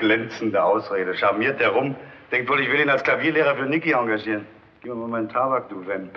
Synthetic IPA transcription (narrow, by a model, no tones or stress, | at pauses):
ɡ̥lɛnt͡sn̩dəʔaʊsʁeːɾəʃaɐmiːɐt̚d̥eːɐʁʊm | d̥ɛŋk̚tv̥oːlɪçv̥ɪliːnalskl̥aviːɐleːʁɐfyːɐnɪkiɔŋɡaʒiːʁən | ɡ̥iːpmamaɪntʰaːbak̚d̥uːvɛn